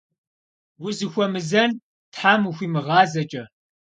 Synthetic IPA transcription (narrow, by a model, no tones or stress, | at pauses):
wʊzɨxʷɔmɨzɐn | tħaːmuxʷiːmɨʁɑːzɐt͡ʃʼɐ